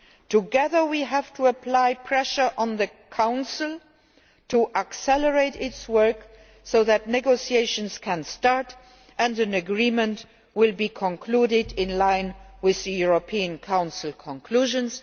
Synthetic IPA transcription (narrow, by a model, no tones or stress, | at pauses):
tʰuɡɛðə˞wiɦæv̥tʰuəpʰlaɪpʰɹɛʃə˞ʔə̃nðəkʰãʊ̃nsɪl̩ˠ | tʰuʔəksɛləɹeɪtɪtswɜ˞k | soʊðætnɛɡosieɪʃə̃nskʰæ̃nstɑɹt | ʔə̃ndɨ̃nəɡɹĩmə̃nt | wɪlbiːkʰɔ̃nkʰluɾɪdɪ̃nlãɪ̃nwɪððəjuɹopʰiə̃nkʰãʊ̃nsɪl̩ˠkʰɔ̃nkʰluːʒə̃ns